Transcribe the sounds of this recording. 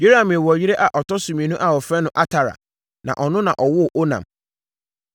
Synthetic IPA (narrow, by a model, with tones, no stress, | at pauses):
je˦ɾa˨mɪ̃˨wɔ˨jɪ˦ɾɛ˦ʔa˨ʔɔ˨tʰɔ˦sũ˨mĩ˨nũ˦ʔa˨ɔ˨fɾɛ̃˦nʊ̃˦˨ʔa˦tʰa˨ɾa̰˨ | nã̰˨ʔɔ˨nʊ̃˦nã˨ʔɔ˨wʊ˦˨ʔo˦nã̰˨m